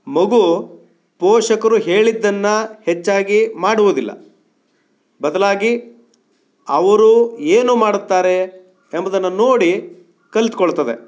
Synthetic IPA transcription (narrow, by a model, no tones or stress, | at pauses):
mɐɡu | pɔːʂɐkɐɾuɦe̞ːɭid̪ːɐnːɐhet͡ʃːaːɡimaːɽuʋud̪ilːɐ̰ | bɐd̪ɐlaːɡi | ɐʋɐɾueːnuːmaːɽut̪ːaːɾe | embɐd̪ɐnːɐno̞ːɽi | kɐlit̪kɔɭt̪ɐd̪ḛ